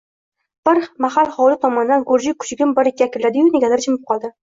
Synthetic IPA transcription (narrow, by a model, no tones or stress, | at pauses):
b̥ɪɾmahalˠχɒwlɪt̪ʰɒmɒnɪd̪anɡoɾd͡ʒɪkʰʊ̥t͡ʃʰɪɡʲɪmbɪɾɪkʲʰːakʲʰɪɾlad̪ɪjʊneɡʲalaɾt͡ʃʰɪmɪp̚qʰɒlˠd̪ɪ